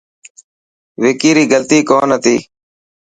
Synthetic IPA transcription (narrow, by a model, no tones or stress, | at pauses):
ʋɪkiːɾiːɡəlt̪iːkoːnət̪iː